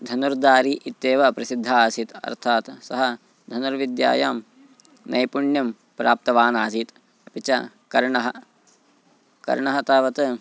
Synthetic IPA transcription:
d̪ʱɐnuɾd̪aːɾiʔit̪ːeːʋɐpɾɐsid̪ʱːaːsit̪ɐ̰ɾt̪ʰaːt̪sɐɦɐ | d̪ʱɐnuɾʋid̪ja̰ːjaːm | nʔɐ̰jpuɳjɐm | pɾaːp̚t̪ɐʋaːnaːs̬iːt̪ | ɐpit͡ʃɐ | kɐɾɳɐɦɐ | kɐ̰ɾɳɐɦɐt̪ɐːʋɐt̪

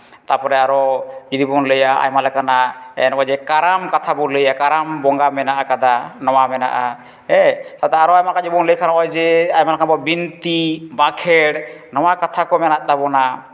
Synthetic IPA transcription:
t̪apɔɾɛaɾɔd͡ʒid̪ibɔŋləjaa̰jmalɛkanaɛ̰nɔd͡ʒɛkaɾamkat̪ʰabɔləjakaɾambɔŋɡamɛnaʔakad̪anɔwamɛna̰ʔa | ɛsat̪ɛaɾɔajmakad͡ʒibɔŋləjkʰanɔjd͡ʒɛajmalɛkʰanbɔbint̪ibakʰɛɽnɔwakat̪ʰakɔmɛnat̪̚ˀd̪abɔna

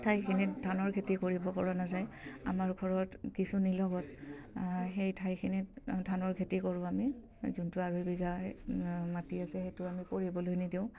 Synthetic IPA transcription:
tʰajkʰinidʱanɔɹɡʰʱetikoɹibɔpɔɹanazaja̰maɹɡʱɔɹɔtkisunilɔɡɔt | xejtʰajkʰinidʱanɔɹɡʰʱetikɔɹʊ̃ami | zuntʊaɹujbiɡa | matiasɛxetʊamipoɹibɔlojnidiʊ̃

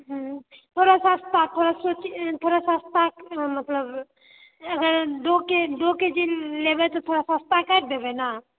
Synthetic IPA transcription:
ɦt̪ʰoɾasãst̪ʰat̪ʰoɾasot͡ʃt̪ʰoɾasast̪amət̪ləb | əɡəɾd̪oked̪oked͡ʒilebɛt̪ɔt̪ʰoɾasãst̪ʰakaʈ̚bʱebɛna

